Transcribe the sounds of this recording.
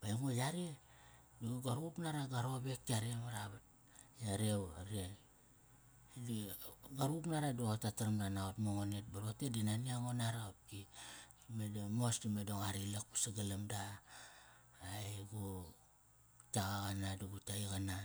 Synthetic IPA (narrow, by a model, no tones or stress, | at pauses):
b̥aiŋojaɾe | duɡuɡaɾupnaɾaɡaɾo̞be̞ktiaɾemaɾaβat̚ | jaɾewaɾie | diɡaɾupnaɾaduaotataɾamdanaotmoŋonetbaɾo̞tedinaniaŋonaɾaap̚ki | medomosdimedoŋaɾilak̚pḁsaɡalamda | jɡo | taɡaɣanaduɡutaiɣana